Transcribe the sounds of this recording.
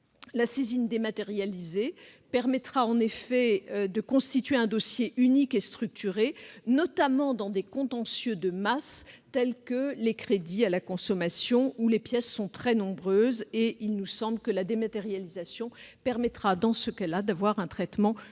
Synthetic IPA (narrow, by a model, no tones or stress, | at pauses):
lasezind̪emat̪eʁjalizepɛʁmɛt̪χaɑ̃nefɛd̪əkɔ̃st̪it̪ɥeɛ̃d̪ɔsjeʔynikest̪χyk̚t̪yʁenɔt̪amɑ̃d̪ɑ̃d̪ekɔ̃t̪ɑ̃sjød̪əmast̪ɛlkəlekχed̪ialakɔ̃sɔmasjɔ̃ulepjɛsːɔ̃t̪χɛnɔ̃bʁøzeilnusɑ̃blkəlad̪emat̪eʁjalizasjɔ̃pɛʁmɛt̪χad̪ɑ̃səkalad̪avwaʁɛ̃t̪χɛt̪mɑ̃